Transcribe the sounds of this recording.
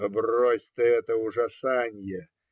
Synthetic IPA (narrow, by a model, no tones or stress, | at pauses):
əbrosʲt̪əɛt̪əʊʐɐsanʲjə